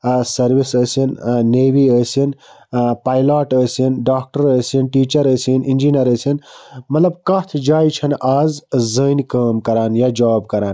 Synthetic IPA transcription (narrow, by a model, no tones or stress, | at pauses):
sɐɾʋisəːsinneːʋiəːsin | paːjlaːʈəːsinɖaːk̚ʈɐɾəːsinʈiːt͡ʃɐɾəsinind͡ʒinɐɾəsinmɐt̪lɐbkɐt̪ʰd͡ʒaːjt͡ʃʰɐnaːzzənkəːmkɐɾaːnjaːd͡ʒaːbkɐɾaːn